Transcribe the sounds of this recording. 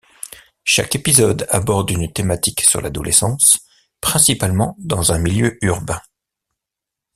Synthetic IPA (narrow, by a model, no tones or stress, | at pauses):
ʃa̰kepizɔd̪a̰bɔʁd̪ynt̪emat̪iksyʁla̰d̪ɔlʔɛsɑ̃s | pχɛ̃sipalmɑ̃d̪ɑ̃zɛ̃miljøyʁbɛ̃